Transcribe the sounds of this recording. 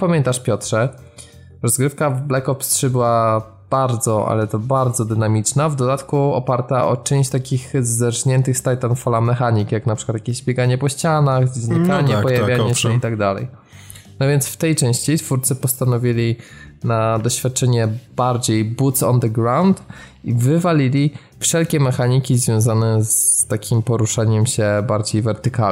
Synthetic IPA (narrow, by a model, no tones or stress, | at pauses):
pamʲjɛnt̪aʂpʲjɔtʂɛ | ɾɔzɡɾɘfkavblɛkɔpstʂɘbɘwa | b̥aɾd̪zɔʔa̰lɛt̪ɔbaɾd̪zɔd̪ɘnamʲit͡ʂnavd̪ɔd̪at̪kuɔ̰paɾt̪aʔɔ̰t͡ʂɛ̃w̃ɕt͡ɕt̪akʲixzːɛɾʂɲɛnt̪ɘxst̪ajt̪anfɔlamɛxaɲikjaknapʂɘkwat̪jakʲeʑbʲjɛɡaɲɛpɔɕt͡ɕanaxzɲikaɲɛppɔjavʲjaɲɛɕɕɛit̪aɡd̪alɛ̰j | nɔvʲjɛnt̪sft̪ɛjt͡ʂɛ̃ɕt͡ɕit̪fuɾt̪sɘpɔst̪anɔvʲilʲinad̪ɔɕfʲjat̪̚t͡ʂɛɲɛbaɾd͡ʑejbut̪sɔ̰nd̪ɛɡɾawnt̪ | ivɘvalʲilʲi | fʂɛlkʲɛmɛxaɲikʲizvʲjɔ̃w̃zanɛzt̪akʲimpɔɾuʂaɲɛmɕɛbaɾd͡ʑejvɛɾt̪ɘka